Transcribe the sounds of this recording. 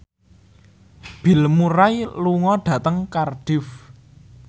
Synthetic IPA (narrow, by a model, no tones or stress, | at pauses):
b̥i̤lmuɾajluŋɔɖ̥ä̤t̪əŋkarɖ̥ɪf